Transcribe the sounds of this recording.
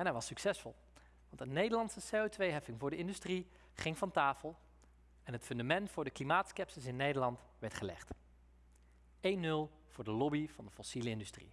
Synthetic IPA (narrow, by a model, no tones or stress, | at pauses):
ɛnɦɛjʋɑsyksɛsfɔ̰lˠ | ʋɑntənejdəlɑntsəsejotʋejɦɛfɪŋvʊːɹdəɪndystri | χɪŋvɑntaːfəlˠ | ɛnɦətfɵndamɛntfʊːɹdəklimaːtskɛpsəsɪnːejdəɹlɑnt | ʋɛɹtχəlɛ̰χt | ejnːɵlˠ | v̥ʊːɹdəlɔbiv̥ɑndəfɔsiləɪndystrḭ